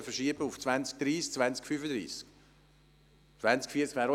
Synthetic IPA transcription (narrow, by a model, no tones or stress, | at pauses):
əfəʃiəbəuft͡svansk̚d̥̪ɾiːsk̚t͡svanst͡skfyfəd̪ɾḭːsk | t͡svænt͡skfiəskʋæːɾɔ